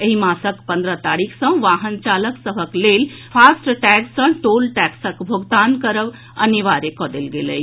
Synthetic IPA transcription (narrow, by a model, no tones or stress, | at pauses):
əɦimaːsəkpə̃nd̪ɾət̪aːɽikʰsə̃ʋaːɦənt͡ʃaːləksəɦəkleːl | pʰaːsʈʈɛːksə̃ʈoːlʈɛksəkbʱoɡd̪aːnkəɾəʋ | ɐniʋaːɾekɔd̪elɡeləi